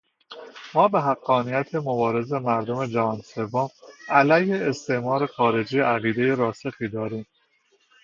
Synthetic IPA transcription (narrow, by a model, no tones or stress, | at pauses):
mɒːbe̞ɦæɡːɒːnijæt̪ʰemobɒːɾe̞ze̞mæɾd̪ome̞d͡ʒævɒːnse̞vːomælæjheːst̪ʰe̞ʔmɒːɾe̞xɒːɾe̞d͡ʒiːʔæɣiːd̪e̞jeɾɒːsexiːd̪ɒːɾiːm